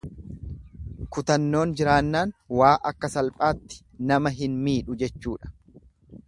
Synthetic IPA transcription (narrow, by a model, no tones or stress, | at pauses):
kʊt̪ɐnːo̞ːnd͡ʒɪɾaːnːaːnwaːʔɐkːɐsɐlpʼaːt̪ːɪ̥ | nɐmɐɦɪnmiːᶑʊd͡ʒɛt͡ʃːuːᶑɐ̥